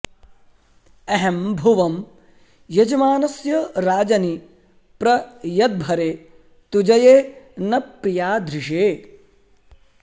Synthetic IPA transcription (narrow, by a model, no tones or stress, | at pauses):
ɐɦɐmbʱuʋɐm | jɐd͡ʒɐmaːnɐsjɐɾaːd͡ʒɐni | pɾɐjɐd̪̚bʱɐɾeː | t̪ud͡ʒɐjeːnɐpɾijaːd̪ʱɾɪʂeː